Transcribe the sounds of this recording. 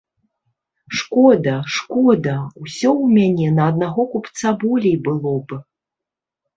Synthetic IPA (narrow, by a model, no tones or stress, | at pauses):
ʂkɔd̪ɐʂkɔd̪ɐwsʲɔwmʲanʲɛnɐːd̪naɣɔkupt̪sabɔlʲejbɨlˠɔbɨ